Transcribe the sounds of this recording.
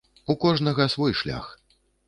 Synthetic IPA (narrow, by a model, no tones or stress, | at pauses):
ukɔʐnɐɣɐsvɔjʂlʲa̰x